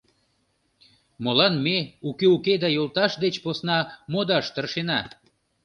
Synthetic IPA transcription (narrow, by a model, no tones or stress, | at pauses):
molɑnmeukeuked̪ɑjolt̪ɑʃd̪et͡ɕposnɑmod̪ɑʃt̪ərʃenɑ